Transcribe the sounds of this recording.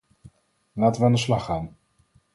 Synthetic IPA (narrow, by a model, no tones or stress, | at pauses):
laːtəʋəaːndəslɑχaːn